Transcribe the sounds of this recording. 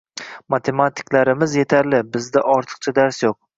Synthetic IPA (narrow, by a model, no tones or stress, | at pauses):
mat̪ʰe̞mat̪ʰɪ̥klaɾɪmɪzje̞t̪ʰaɾlɪbɪzd̪aʔɒɾt̪ʰɨ̥q̚t͡ʃʰad̪aɾsjoq̚